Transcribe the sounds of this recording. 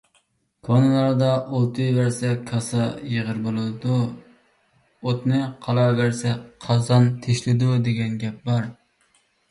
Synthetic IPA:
kʰonɨlˠɑɾd̪ɑʔolˠt̪ʰɨjvæɾsɛkʰɑsɑjəʁəɾbolˠɨd̪u | ot̪nɨqʰɑlˠɑvæɾsɛqʰɑzɑnt̪ʰeʃlɪd̪ud̪eɡʲɛnɡʲɛp̚bɑɾ

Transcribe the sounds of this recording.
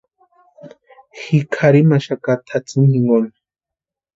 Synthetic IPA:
hikʰaɾimaʃakat̪ʰat͡siniŋɡon

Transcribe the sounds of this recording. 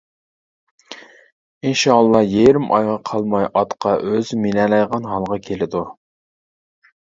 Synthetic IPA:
inʃɑlˠːɑjejɾɪmʔɑjʁɑqʰɑlˠmɑjʔɑt̪qʰɑʔøzminɛlɑjʁɑnɦɑlˠʁɑkʲʰelɪd̪u

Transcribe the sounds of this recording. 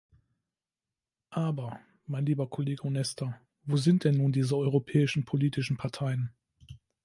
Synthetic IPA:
ʔaːbɐ | maɪnliːbɐkʰoleːɡəonɛstʰɐ | voːzɪnt̚d̥ɛnːuːndiːzəɔʏʁopʰɛːɪʃn̩pʰoliːtɪʃn̩pʰaɐtʰaɪən

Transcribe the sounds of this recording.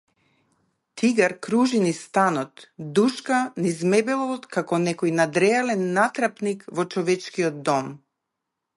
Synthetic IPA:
t̪iɡaɾkɾuʒinist̪anɔt̪d̪uʃkanizmɛbɛlˠɔt̪kakɔnɛkɔjnad̪ɾɛalɛnːat̪ɾapnikvɔt͡ʃɔvɛt͡ʃkiɔd̪̚d̪ɔm

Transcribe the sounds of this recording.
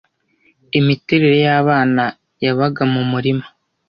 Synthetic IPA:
imiteɾeɾe̞jaβaːna | jaβaɡamumuɾimḁ

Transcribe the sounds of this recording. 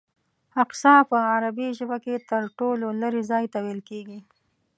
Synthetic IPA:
aqsɑpəaɾabiʒəbaket̪əɾʈololəɾizɑjt̪awelkeɡi

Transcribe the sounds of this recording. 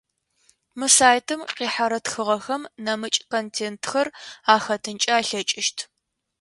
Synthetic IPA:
mɨsaːjtʰɨmqiːħaɾɐtxɨʁɐxɐmnɐmɨt͡ʃʼkontʰeːntʰxɐraːxɐtʰɨnt͡ʃʼɐaːɬɐt͡ʃʼɪʃtʰ

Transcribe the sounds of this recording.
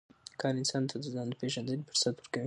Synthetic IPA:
kʰɑɾɪnsɑnt̪ʰad̪əzɑnd̪əpeʒand̪əɡpəɾsat̪wəɾkawi

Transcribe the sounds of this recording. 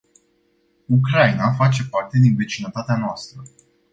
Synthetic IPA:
ukɾainafat͡ʃe̞part̪e̞d̪inve̞t͡ʃinət̪at̪eanoast̪ɾə

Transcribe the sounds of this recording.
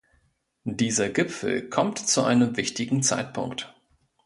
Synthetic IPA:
diːzɐɡɪpfl̩kʰɔmtt͡suʔa̰ɪnəmvɪçtɪɡŋ̩t͡sa̰ɪtpʰʊ̰ŋkt

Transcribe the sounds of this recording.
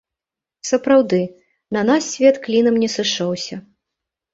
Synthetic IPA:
sɐpɾawd̪ɨ | nɐnassʲvʲɛt̪klʲinɐmnʲɛsɨʂɔwsʲɐ

